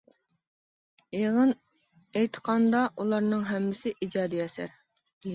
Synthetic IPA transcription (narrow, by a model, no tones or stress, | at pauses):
eʁən | ɛjt̪ʰə̥qʰɑnd̪ɑʔulˠɑɾnɨŋɦɛmːɪsɪʔid͡ʒɑːd̪ijɛsæ̰ɾ